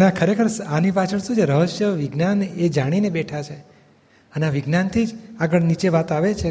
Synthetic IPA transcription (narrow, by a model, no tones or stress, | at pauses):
əneakʰəɾekʰəɾsanipat͡ʃʰəɳsũd͡ʒeɾəɦəʃəʋiɡnaned͡ʒaɽ̃inebɛʈʰat͡ʃʰe | əneaʋiɡnant̪ʰid͡ʒaɡəɭnit͡ʃeʋat̪aʋet͡ʃʰe